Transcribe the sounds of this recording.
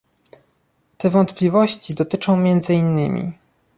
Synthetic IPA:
t̪ɛvɔnt̪plʲivɔɕt͡ɕid̪ɔt̪ɘt͡ʂɔ̃w̃mʲjɛnd̪zɘinːɘ̰mʲḭ

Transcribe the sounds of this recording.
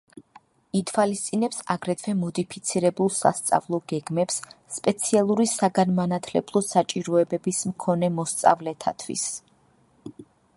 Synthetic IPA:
it̪ʰwalist̪sʼinɛpsaɡɾɛt̪ʰwɛmɔd̪ipʰit̪sʰiɾɛbulˠsa̰st̪sʼa̰vlˠɔɡɛɡmɛpsːpʼɛt̪sʰialˠuɾisaɡanmanat̪ʰlɛ̰blˠɔsat͡ʃʼiɾɔɛbɛbismkʰɔnɛmɔst̪sʼa̰vlɛt̪ʰa̰t̪ʰwḭs

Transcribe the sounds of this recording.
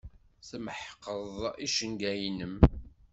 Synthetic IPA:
θəməħqːəðˤiʃəŋɡæjnəm

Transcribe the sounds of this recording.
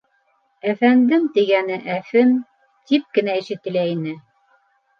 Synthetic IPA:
æfænd̪ɘmt̪iɡænɘʔæfɘm | t̪ip̚kɘ̆næiʃɘ̆t̪ɘ̆læinɘ

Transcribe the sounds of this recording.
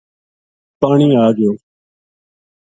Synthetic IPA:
paːɳiːaːɡɪjoː

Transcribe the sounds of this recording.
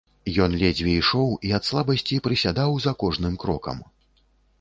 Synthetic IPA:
jɔnlʲɛd͡zʲvʲɛiʂɔwiɐt̪slˠabɐsʲt͡sʲipɾɨsʲad̪awzɐkɔʐnɨmkɾɔkɐ̰m

